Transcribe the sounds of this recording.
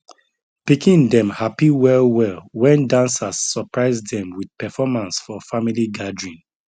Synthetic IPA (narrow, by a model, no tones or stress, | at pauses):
pikĩndɛ̃mhapiwɛlwɛlwɛ̃ndãnsasːəpɹaɪzdɛ̃mwid̚pɛfɔmãnsfɔfamiliɡadɹĩn